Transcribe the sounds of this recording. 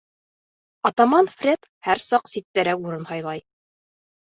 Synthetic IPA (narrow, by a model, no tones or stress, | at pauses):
ɒt̪ɑmɑnfrʲet̪ | hæɾsɑqsit̪ːæɾækuɾɤnhɑjlˠɑj